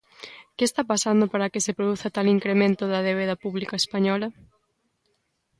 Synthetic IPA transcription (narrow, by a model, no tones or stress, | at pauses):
kɪest̪apasand̪opaɾɐkɪsepɾoðuθɐt̪aliŋkɾemẽnt̪ʊðɐðeβ̞eðɐpuβlikɐespaɲɔlɐ